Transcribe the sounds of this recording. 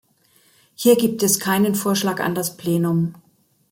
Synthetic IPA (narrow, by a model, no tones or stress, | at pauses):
hiːɐɡiːp̚tɛskʰaɪnənfoːɐʃlaːka̰ndaspleːnʊm